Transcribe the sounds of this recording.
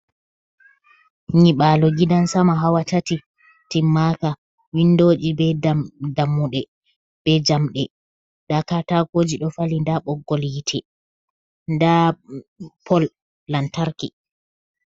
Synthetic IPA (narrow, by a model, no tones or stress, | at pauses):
ɲiɓaːlɔɡidansamaɦawatati | timːaka | windoːd͡ʒibɛdamːuɗɛ | b̥ɛd͡ʒamɗɛ | ɗakatakoːd͡ʒiɗɔfalindaɓɔɡːɔljitʰɛ | nda | pʰɔlː | antaɾkɛ